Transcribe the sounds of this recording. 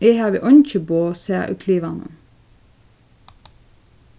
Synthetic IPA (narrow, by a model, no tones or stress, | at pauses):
ehæʋḭːʔɔnc͡çəboːseːʔʉ̰kʰliːʋɑnə̰n